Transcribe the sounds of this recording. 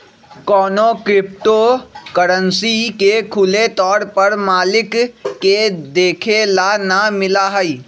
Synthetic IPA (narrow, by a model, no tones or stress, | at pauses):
kɔːnokɾɪp̚ʈokəɾənsikekʰʊlet̪ɔːɾpəɾmaːlɪkːed̪eːkʰelanamɪlaɦəi